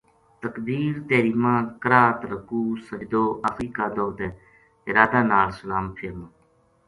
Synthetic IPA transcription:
t̪əkb̪iːɾt̪eːɾiːmãːkəɾaːt̪ɾəkuːsəd͡ʒd̪oːʔaːfɾiːkaːd̪oːt̪eː | ɪɾaːd̪aːnaːlsəlaːmpʰɪɾmː

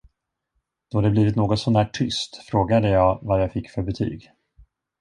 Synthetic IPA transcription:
d̪̥ɔd̪ɛbliːvɪt̪noːɡɔt̪sɔmnæːʈʰːʏst̪fɾoːɡad̪əjɑːɡvaɾjaɑːfɪkːfœɾbɛt̪ʰy̰ːɡ

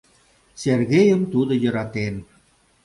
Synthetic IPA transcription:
serɣejə̆mt̪ud̪ŏjə̆ɾɑt̪en

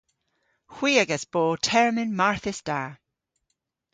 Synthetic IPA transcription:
hw̥iːəɡəsb̥oːtʰɛɹmɪnmaɹθɪsd̥aː

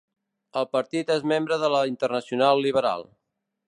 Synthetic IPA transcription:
əlˠpəɾt̪it̪ezmembɾəðələint̪ərnəsiunalˠːiβəɾa̰lˠ

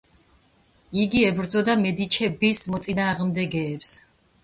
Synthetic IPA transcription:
iɡiɛbɾd̪zɔd̪amɛd̪it͡ʃʰɛbismɔt̪sʼinaːʁmd̪ɛɡɛːps

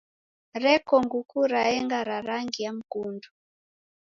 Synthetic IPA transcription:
ɾɛkɔŋɡukuɾaɛŋɡaɾaɾaŋɡiam̩kundu

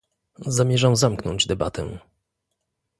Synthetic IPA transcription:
zamʲjɛʐamzamknɔ̰ɲd͡ʑd̪ɛba̰t̪ɛ̰

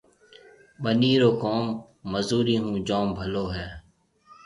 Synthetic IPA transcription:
ɓəniːɾoːkoːmː | əzuːɾiːɦũːd͡ʒoːmbʱəloːɦɛː

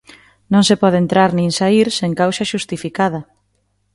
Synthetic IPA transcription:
nõŋsepɔðent̪ɾaɾnĩŋsaiɾseŋkawsɐʃust̪ifikað̞ɐ

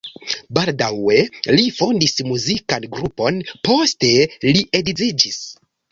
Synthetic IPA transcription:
baldawe̞lifo̞ndismuzikanɡɾupo̞npo̞ste̞liʔedid͡zid͡ʒis

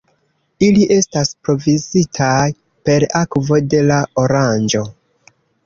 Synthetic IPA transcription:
iliʔe̞staspɾo̞vizitʰaj | pe̞ɾakvo̞de̞laoɾand͡ʒo̞

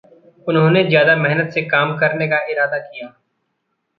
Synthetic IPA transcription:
ʊnɦõːnezjaːd̪amɛɦnət̪sekaːmkɐɾnekaɪɾaːd̪akijaː

